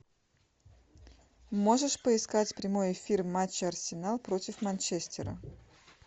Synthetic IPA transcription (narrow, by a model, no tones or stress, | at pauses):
mo̞ʐɨʂpəɪskatʲpɾʲɪmo̞jɪfʲirmat͡ɕːɪɐrsʲɪnalˠpɾo̞tʲɪfmɐnʲt͡ɕesʲtʲɪɾə̰